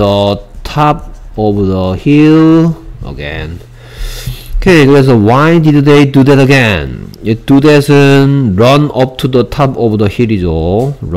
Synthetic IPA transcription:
ətʰap̚ovəðəhilʔə̰ɡɛ̰̃n | okʰeɡɛsowaɪdidd̪edud̪ɛtəɡɛ̃nid̥ud̪ɛsənɹʌ̃nʌp̚tʰud̪ətʰapovədəhilizoɹ

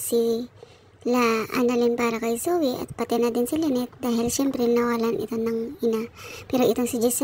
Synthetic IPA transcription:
si | laʔa̰nɐlɪnpaːɾɐkɐjsowɪʔɐ̰t̪̚pɐt̪ɛnad̪ɪnsɪlɛnɛt̪̚d̪aːhɪlʃɛmpɾɛnɐwalanʔɪ̰t̪onɐŋʔɪnapɛːɾoʔɪt̪oŋsɪd͡ʒɛs

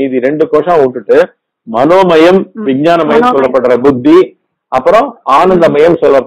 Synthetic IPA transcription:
iːðiɾɛɳɖɯkoːʂãːuːʈːɯʈːɯ | mɐnoːmɐjɐmʋɪɡ̚ɲaːnɐmɐjɐmsɔlːɐpːɐʈːɯɾɐbʊd̪ʱːi | ɐpːɯɾɔ̃aːnɐnd̪ɐmɐjɐmsɔlːɐp

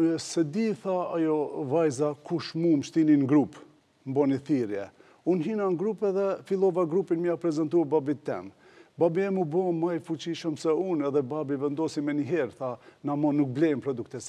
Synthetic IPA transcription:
sɛd̪iθaajɔvajzakuʃmumʃt̪ininɡɾup | mbɔniθiɾjɛ̰ | unɦinaŋɡɾupɛðɛfilˠɔvaɡɾupinmiapɾɛzɛnt̪uababit̪ːɛ̰m | babiɛmubɔmajfut͡ɕiʃəmsɛunɛðɛbabivɛnd̪ɔsimɛniɦɛɾθanamɔnːuk̚blɛjmpɾɔd̪uk̚t̪ɛs

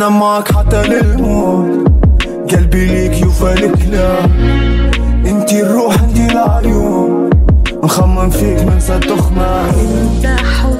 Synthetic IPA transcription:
amːaʕkħat̪ːɑlɪlmuːt̪ | ɡalbiliːkjufalɪkla | ʔɪnt̪irˤːuːħɪnd̪ilʕjuː | nxamːɪmfiːkmɪnsat̪ːʊxma

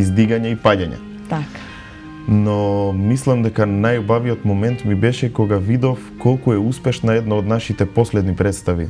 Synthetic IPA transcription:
izd̪iɡaɲaipaɟaɲa̰ | t̪ak | nɔmislˠamd̪ɛkanajbaviot̪mɔmɛnt̪mibɛʃɛkɔɡavid̪ɔfkolˠkuɛuspɛʃnaɛd̪naod̪naʃit̪ɛposlɛd̪nipɾɛt̪st̪aʋḭ

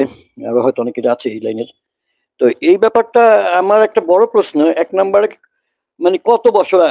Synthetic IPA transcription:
e | a̰baɦɔjt̪oɔnekːeʈaat͡ɕʰeejlajneɾ | t̪oʔejbɛpaɾʈaamaɾɛk̚ʈabɔɽopɾosnoɛknambaɾe | manekɔt̪obɔʃoɾa

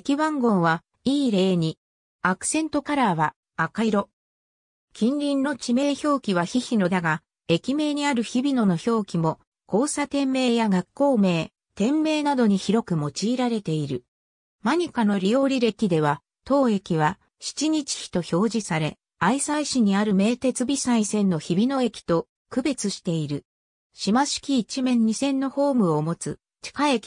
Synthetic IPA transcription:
ekʲiβãŋɡõ̞ɰ̃βa | iːɾe̞ːɲ̟i | akɯ̟̥sẽ̞nt̪o̞kaɾaβaː | kaiɾo̞ | kʲĩnɾʲĩnːo̞t͡ɕime̞ːço̞ːkʲiβaçiçino̞d̪aɡa | e̞kʲime̞ːɲ̟iaɾɯ̟çibʲino̞no̞ço̞ːkʲimo̞ | ko̞ːsat̪ẽ̞mːe̞ːjaɡakːo̞ːme̞ː | t̪ẽ̞mːe̞ːnad̪o̞ɲ̟içiɾo̞kɯ̟mo̞t͡ɕiːɾaɾe̞t̪e̞iɾɯ̟ | maɲ̟ikano̞ɾʲijo̞ːɾʲiɾe̞kʲid̪e̞β̞a | t̪o̞ːe̞kʲiβ̞a | ɕi̥t͡ɕiɲ̟it͡ɕi̥çi̥t̪o̞ço̞ːʑisaɾe̞ | aisaiɕiɲ̟iaɾɯ̟me̞ːt̪e̞t͡sɨbʲisaisẽ̞nːo̞çibʲino̞e̞kʲi̥t̪o̞ | kɯ̟be̞t͡sɨɕi̥t̪e̞iɾɯ̟ | ɕimaɕi̥kʲiːt͡ɕimẽ̞ɲ̟ːisẽ̞nːo̞ho̞ːmɯ̟o̞mo̞t͡sɨ | t͡ɕi̥kaekʲi̥

